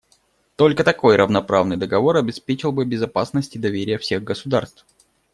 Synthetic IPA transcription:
t̪o̞lʲkət̪ɐko̞jɾəvnɐpɾavnɨjd̪əɡɐvo̞ɾɐbʲɪspʲet͡ɕɪlˠbɨbʲɪzɐpasnəsʲtʲɪd̪ɐvʲeɾʲɪjəfsʲe̞ɣɡəsʊd̪arst̪f

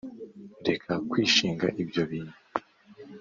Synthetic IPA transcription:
nde̞kʰakwiːʃiːŋɡa̰ʔibjo̞βiːnu

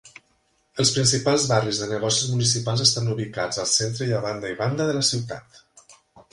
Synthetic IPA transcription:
əlˠspɾinsipalˠzβarizðənəɣ̞ɔsizmunisipalˠzəst̪anuβ̞ikad͡zəlˠsent̪ɾəiəβand̪əiβand̪əðələsiwt̪a̰t̪

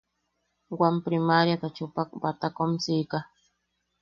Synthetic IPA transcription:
wampɾɪmaɾjat̪at͡ʃʊpak̚bat̪akomsijka

